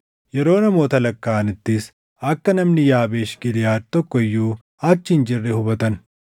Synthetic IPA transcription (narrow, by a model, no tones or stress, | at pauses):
jɛɾo̞ːnɐmo̞ːt̪ɐlɐkːaːnɪt̪ːɪs | ɐkːɐnɐmnɪjaːbeːʃɡɪd̪ɪjaːt̪ːɔkːɔɪjːuː | ɐt͡ʃːɪnd͡ʒɪrːɛhʊbɐt̪ɐn